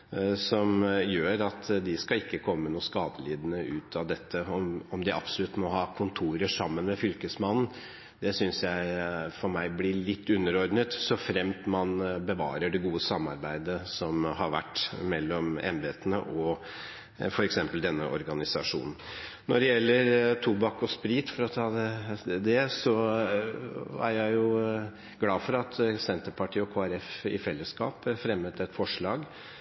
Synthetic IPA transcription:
sɔmjøːɾɑt̪ʰd̪ɪskɑɪkːəkʰɔmːənuːskɑːd̪əliːd̪nəʔʉːt̪ʰɑʋd̪ɛt̪ʰːəɔmɔmd̪ɪʔɑ̰psɔlʉt̪ːmɔɦɑːkʰʊnt̪ʰuːɾəʂɑmːənmɛfʏlkəsmɑnn̩ | d̪̥ɛsʏnsjæɪfɔɾmæɪblɪɭɪt̪ʰːʉnːəɾɔɾɖɳət̪sɔfɾɛmt̪mɑnbəʋɑ̰ːɾəɖɛɡuːəsɑmːɑ̰ɾbæɪd̪əsɔmɦɑɾʋæ̰ʈːmɛlːɔmɛ̰mbeːt̪ənə̰ʔɔ | fɔɾɛksɛmpəld̪ɛnːəʔɔ̰ɾɡɑnɪsɑʂṵːnn̩ | nɔɖɛjɛlːəɾt̪ʰubɑkːɔspɾiːt̪fɔɾɔt̪ʰɑːd̪ɛd̪ɛsɔ | æ̰ɾjæɪjʊ | ɡlɑːfɔɾɑt̪sɛnt̪əɾpʰɑʈʰiːɔkʰoːæɾɛfɪfɛlːəskɑ̰ːpfɾɛmət̪ɛt̪fɔʂɭɑːɡ

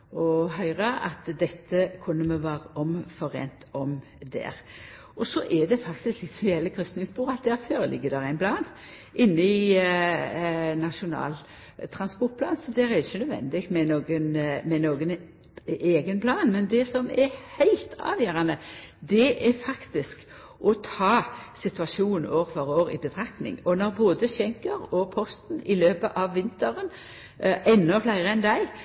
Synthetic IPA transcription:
ɔɦœʏʁɑʔɑ̰t̪d̪ɛt̪ʰːəkʰʊnːəmɛʋɑːʁəʔɔmfɔɾḛːnt̪ʰɔm | d̪æ̰ːɾ | ʔɔsɔʔɛd̪ɛfɑkt̪ɪsklɪt̪sjɛlːəɾkʰɾʉst̪nɪŋsbuːʁɑt̪̚d̪æɾføːɾəlɪ̰ɡːəd̪ɛʁæɪnpʰlɑːn | ʔɪnːəɪ | nɑʂʊnɑ̰ːl | t̪ʰɾɑnspɔɾʈ̚pʰlɑːnsɔd̪æːɾæɾɪçənœd̪ʋɛ̰nd̪ɪkt̪mɛnoːɡənmɛnoːɡən | eːɡənpʰlɑːnmɛnd̪ɛsɔmɛhæɪlt̪ʰɑ̰ːʋjøːɾɑnəd̪ɛʔɛɾfɑkt̪ɪsk | ʔɔt̪ʰɑːsɪt̪ʉɑʃuːn̩oːɾʋəɾoːɾɪ̰bət̪ʰɾɑk̚t̪nɪ̰ŋɔnɔɾboːd̪əɕɛŋkəɾɔpʰɔst̪nɪløːpəʔɑʋːɪnt̪əɾən | ʔɛnːɔflæɪɾəɛnd̪æɪ

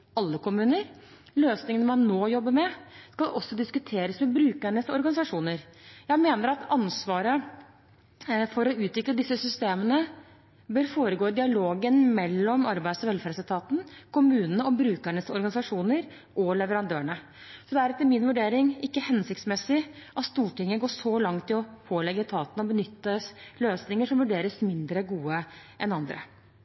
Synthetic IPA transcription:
ɑlːəkʊmʉːnəɾ | løːsnɪŋənəmɑnːoːjɔbːəɾmɛskɑlʔɔsːɔd̪ɪskʉt̪ʰeːɾəsmɛbɾʉːkæɳəsɔɾɡɑnɪsɑʂuːnəɾjæɪmeːnəɾɑt̪ʰɑnsʋɑːɾə | fɔɾɔʉːt̪ʋɪkləd̪ɪsːəsʏst̪eːmənə | bøːɾfoːɾəɡoːd̪ɪɑloːɡənmɛlːɔmɑɾbæɪd̪sɔʋɛlfæɾsəlt̪ʰɑːt̪n̩kʰʊmʉːnənəɔbɾʉːkæɳəsɔ̰ɾɡɑnɪsɑʂuːnəɾ | ʔɔlɛʋəɾɑnd̪øːɳə | sɔd̪ɛæɾɛt̪ːəmɪnʋʉɖeːɾɪŋɪkːəhɛnsɪk̚t̪smɛsɪʔɑt̪st̪uːʈɪŋːəɡoːʂɔlɑŋt̪ːɪlɔpʰoːlɛɡəɪt̪ʰɑːt̪nəɔbənʏt̪ːəsløːsnɪŋəʂɔmʋʉɖeːɾəsmɪnd̪ɾəɡuːəʔɛnɑnd̪ɾə̰

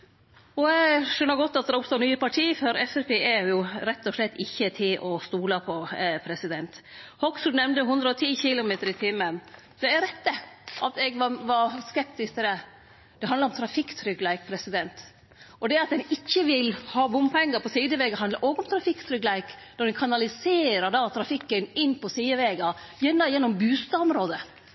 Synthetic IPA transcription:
ɔɛɡʂœnːəɾɡɔt̪ːɑt̪d̪ɾʊpst̪oːnyːəpɑʈʰiːfœɾɛfæpeːʔæɾjʊɾɛt̪ːɔʂlɛt̪ːɪçːət̪ʰɪlʔɔst̪uːlɑpʰɔpʰɾɛsɪd̪ɛnt̪hɔksuːd̪nɛmnd̪əɦʊnd̪ɾəɔt̪ʰiːçɪlʊmeːt̪əɾɪt̪ʰɪmːən | d̪̥ɛæɾɛt̪ːəʔɑt̪ɛɡʋɑʋɑɾskɛp̚t̪ɪst̪ɪd̪ɛ | d̪̥ɛɦɑnd̪ɾɔmt̪ʰɾɑfɪkːt̪ʰɾʏɡlæɪk̚pʰɾɛsɪd̪ɛnt̪ | ʔɔd̪ɛɑt̪̚d̪ɛnɪçːəʋɪlhɑːbʊmpʰɛŋːəɾpɔsiːd̪əʋɛɡəɦɑnd̪ɑɾʔoːɡəɔmt̪ʰɾɑfɪkːt̪ʰɾʏɡlæɪk | nɔɾd̪ɛnkʰɑnɑlɪseːɾəɾɖ̪ɑt̪ʰɾɑfɪkːənɪnːpʰɔsiːd̪əʋɛːɡɑjɛnːɑjɛnːɔmbʉːst̪ɑɔmɾoːd̪ə

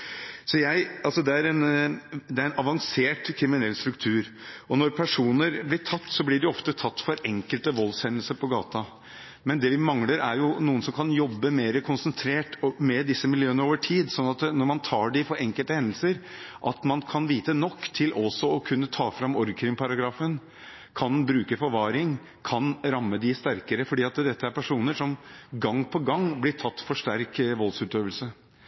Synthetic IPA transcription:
sɔjæɪɑlsɔd̪ɛæɾɛnd̪ɛæɾɛnɑʋɑŋseːʈkʰɾɪmɪnɛlːst̪ɾʉkt̪ʰʉːɾɔnɔɾpʰæʂuːnəɾblɪʈʰɑt̪ːsɔblɪɖɛɔft̪ət̪ʰɑt̪ːfɔɾɛŋkəlt̪əʋɔlːshɛnːəlsəɾpʰɔɡɑ̰ːt̪ɑ | mɛnd̪ɛʋɪmɑŋləɾæɾjʊnuːənsɔmkʰɑnjɔbːəmeːɾəkʰʊnsənt̪ʰɾeːʈmɛd̪ɪsːəmɪljøːənəoːʋəʈʰiːd̪sɔnːɑt̪nɔɾmɑnt̪ʰɑːɖɪfɔɾɛŋkəlt̪əhɛnd̪l̩səɾʔɑt̪mɑnkʰɑnʋiːt̪ənɔkːt̪ʰɪlʔɔsɔɔkʰʉnːət̪ʰɑːfɾɑmɔɾkʰɾɪŋpʰɑɾɑɡɾɑːfən | kʰɑnbɾʉːkəfɔɾʋɑːɾɪŋ | kʰɑnɾɑmːəd̪ɪst̪æɾkəɾəfɔɖiːɑt̪d̪ɛt̪ːəæɾpʰæʂuːnəʂɔmɡɑŋːpʰɔɡɑŋblɪʈʰɑt̪ːfɔʂʈæɾkʋɔlsʉːt̪øːʋəlsə

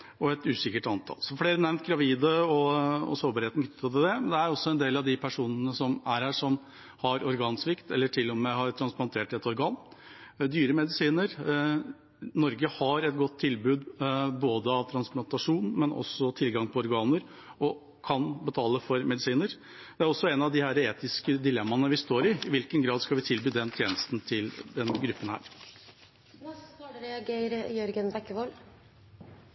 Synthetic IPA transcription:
ɔɛt̪ʉːsɪkːəʈɑnt̪ʰɑ̰lsɔfɽeːɾənæɾmt̪̚ɡɾɑʋiːd̪əɔɔ̰soːɾbɑɾheːt̪n̩t̪ːʰɔd̪ɛd̪ɛmnd̪ɛæɾɔsːɔɛnd̪eːlɑʋd̪ɪpʰæʂuːnənəsɔmæɾhæːʂɔm | hɑɾɔɾɡɑːnsʋɪkt̪ɛlːəʈʰɪlːɔmɛɦɑɾt̪ʰɾɑnsplɑnt̪ʰeːʈɛt̪ɔɾɡɑːnd̪yːɾəmɛd̪ɪsiːnəɾ | nɔɾɡəhɑɾɛt̪ɡɔt̪ʰːɪlbʉːd̪boːd̪əɑʋt̪ʰɾɑnsplɑnt̪ɑʂuːnmɛnʔɔ̰sːɔt̪ʰɪlɡɑŋpʰɔɔɾɡɑːnəɾ | ɔ | kʰɑnbət̪ʰɑːləfɔɾmɛd̪ɪsiːnəɾ | d̪ɛæɾɔsːɔɛnɑʋd̪ɪhæːɾəeːt̪ɪskəd̪ɪlɛmːɑnəʋɪst̪oːɾɪɪʋɪlkənɡɾɑːd̪skɑlʋɪt̪ʰɪlbyːd̪ɛnt̪ʰjeːnəst̪n̩t̪ʰɪld̪ɛnɡɾʉpːənhæ̰ːɾ | ɛɑɡeɾjœɾɡənbɛkːəʋɔl

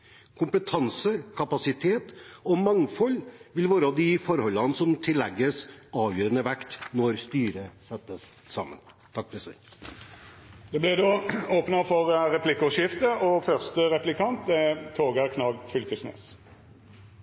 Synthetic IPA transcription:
kʰʊmpət̪ʰɑnsəkʰɑpɑsɪt̪ʰeːt̪ɔmɑŋfɔlːʋɪlʋoːɾəɑʋd̪ɪfɔɾhɔlːɑnsɔmt̪ʰɪlːɛɡːəsɑːʋjøːɾənəʋɛkt̪nɔɾst̪yːɾəsɛt̪ːəs | sɑ̰ːmə̰n | t̪ʰɑkːfɾsɛ̰ | d̪̥ɛblɛd̪oːoːpnəfɔʁɾɛplɪkːɔʃɪft̪əʔɔfœʁst̪əʁɛplɪkʰɑnt̪ɛt̪ʰoːɡəʁkʰnɑːɡfʏlkəsnḛːs

